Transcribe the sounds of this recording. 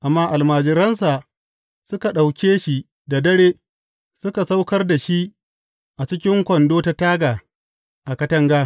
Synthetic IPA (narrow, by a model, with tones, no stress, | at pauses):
ʔa˨mːaː˦ʔa˨lmaː˨d͡ʒɪ˨ɾɐ˦ns̬a˨ | sʊ˦ka˨ɗa˨wkʲeː˦ʃi˦˨ | da˨dɐ˦ɽeː˦ | sʊ˦ka˨sa˦wkɐ˦rda˨ʃi˦ʔ | ʔa˨t͡ʃɪ˦kʲɪ˦ŋkʷɔ˨ndoː˦ta˨taː˦ɡaː˨ | ʔa˨kɐ˦tɐ˦ŋɡaː˦